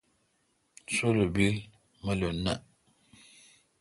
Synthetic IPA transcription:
soləbi | məlonaʔ

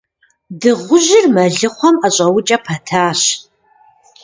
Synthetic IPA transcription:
dɨʁʷʊʒɪrmɐɮɨχʷɔmɐɕʼɐwʊt͡ʃʼɐpʰɐtʰaːɕ

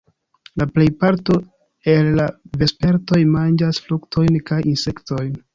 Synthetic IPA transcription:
laple̞jpaɾto̞ | e̞lːave̞spe̞ɾto̞jmand͡ʒasfluktʰo̞jnkajinse̞kto̞jn

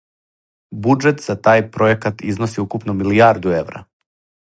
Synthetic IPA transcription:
bud͡ʒet̪z̥at̪aːjpɾo̞jekat̪iznosiukupnomiliaːɾd̪ueʋɾa̰

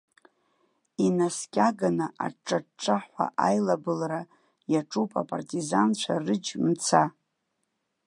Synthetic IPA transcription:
inaskʲʼaɡanɨʔa̰ʈ͡ʂʼːaʈ͡ʂʼaħʷa̰ʔajlabɨlra | jaʈ͡ʂʼupʼa̰pʼa̰rtʼizant͡ʃʷʰarɨd͡ʒmt͡sʰa

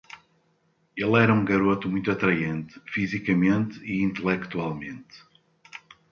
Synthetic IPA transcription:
elˠɛɾɐũɡɐɾot̪umũj̃t̪uɐt̪ɾɐjẽnt̪ɨ̥fizikɐmẽnt̪iĩnt̪ɨlˠɛkt̪ualˠmẽnt̪

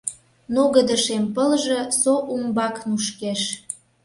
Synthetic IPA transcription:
noɣəd̪əʃempəlʒĕsoʔumbɑknuʃkeʃ

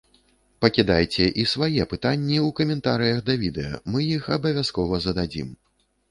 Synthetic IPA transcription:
pɐkʲid̪ajt͡sʲɛʔisvajɛpɨt̪anʲːiukɐmʲɛnt̪aɾɨjɐɣd̪ɐvʲid̪ɛjɐ̰mɨjixɐbɐvʲaskɔvɐzɐd̪ad͡zʲḭm

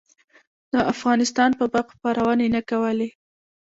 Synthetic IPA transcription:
d̪̥əʔafɣɑnɪst̪ɑnpəbaqpɑɾʔawɑnenəkawəle

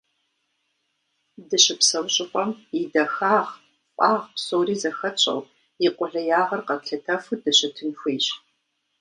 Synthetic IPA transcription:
dɨɕɪpsɐwɕʼɪqʷʼɔmidɐxaːʁ | pʼaːʁpsoːriːzɐxɐt͡ɕʼɐ̰w | jɪqʷʼʊɮɐjaːʁɐrqɐpɬʰɐtʰɐfɨdɐɕɪtʰɨnxʷeːɕ

